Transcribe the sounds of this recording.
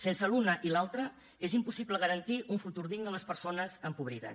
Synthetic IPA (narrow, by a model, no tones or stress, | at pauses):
sensəlunəʔilalˠt̪ɾə | ezimpusipləɣ̞əɾənt̪iʔuɱfut̪uɾðiɣnələspəɾsonəzəmpuβɾiðə̰